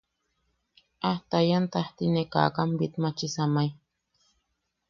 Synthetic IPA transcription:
aht̪ajant̪aht̪ineka̰kambit̪mat͡ʃisamai

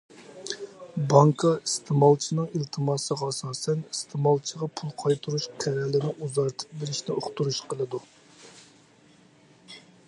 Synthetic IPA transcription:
bɑŋkʰɑist̪ʰɨmɑlˠt͡ʃʰinɨŋilt̪ʰɨmɑːsəʁɑsɑːsɛnist̪ʰɪmɑlˠt͡ʃʰəʁɑpʰulˠqʰɑjt̪ʰuɾuʃqʰɛɾɛlɪnɪʔuzɑɾt̪ʰɨ̥p̚belɪʃnɪoχt̪uɾuʃqʰəlˠɨd̪u

